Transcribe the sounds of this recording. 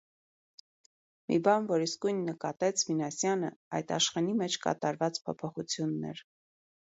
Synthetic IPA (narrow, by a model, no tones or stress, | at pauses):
mḭbɑnvɔɾiskujnːəkɑt̪ɛt͡sʰvinɑsjɑnəɑ̰jt̪ɑ̰ʃχɑnimɛt͡ʃʰkɑ̰t̪ɑɾvɑt͡spʰɔpʰɔχut͡sʰjunːɛ̰ɾ